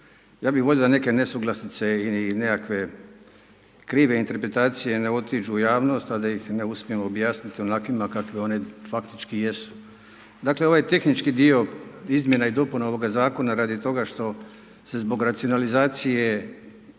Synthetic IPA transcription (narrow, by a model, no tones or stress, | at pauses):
jaːbixʋoʎod̪ane̞ke̞ne̞suɡlˠasit̪se̞ilinekakʋe̞ | kɾiːʋe̞int̪e̞ɾpɾe̞t̪aːt̪sije̞ne̞o̞t̪id͡ʒuːjaːʋno̞st̪ad̪ajixne̞usmijemo̞bjaːsnit̪io̞nakʋimakakʋeo̞nefakt̪it͡ʃkijesu̥ | d̪akle̞o̞ʋajet̪e̞xnit͡ʃkid̪io̞izmje̞naid̪o̞punao̞ʋo̞ɡazaːko̞naɾaːd̪it̪o̞ɡaʃt̪o̞ | se̞zbo̞ɡɾat̪sio̞nalizaːt̪sije